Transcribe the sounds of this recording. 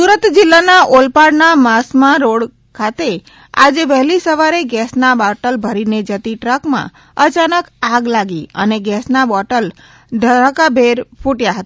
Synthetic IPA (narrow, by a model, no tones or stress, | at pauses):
suɾət̪d͡ʒɪlːanaʔolpaɽnamasmãɾoɽ | kʰat̪e | a̰d͡ʒeʋɛɦlisəʋaɾeɡɛsnabɔʈəlbʱəɾined͡ʒət̪iʈɾəkmã̰ | ət͡ʃanəkaɡlaɡiə̰neɡɛsnabɔʈəl | d̪ʱəɾakabʱeɾpʰuʈjaɦət̪ḁ